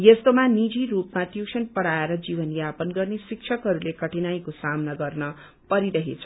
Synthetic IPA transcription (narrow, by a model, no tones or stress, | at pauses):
jest̪omanid͡ziɾupmaʈjusʌnpʌɽaeɾʌd͡zibʌnjapʌnɡʌrnesik̚t͡ʃʰʌkɦʌɾulekʌʈinajkosamnʌɡʌrnʌ | pʌɾiɾʌɦet͡sʰʌ